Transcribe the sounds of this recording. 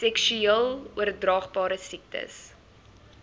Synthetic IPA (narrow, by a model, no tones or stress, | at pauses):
sɛkʃyiəlˠuərdrɑːχbɑːɾəsik̚tə̰s